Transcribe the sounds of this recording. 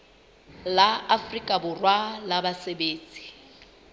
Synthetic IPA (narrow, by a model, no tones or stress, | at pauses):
laafrikʼabʊrwalabasebeːt͡sʼi̥